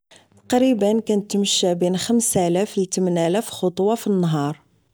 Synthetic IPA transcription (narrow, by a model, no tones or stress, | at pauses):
t̪ɑ̥qɾibənkænət̪ːməʃːæbinxəmsælæflt̪əmnælæfxot̪ˤwɑfinːɦɑɾˤ